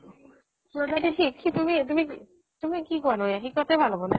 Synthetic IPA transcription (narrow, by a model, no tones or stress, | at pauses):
lod̪aʈiʈʰikʰːit̪umit̪umi | t̪umikikɔanojakikːɔt̪ʰejbʱalobone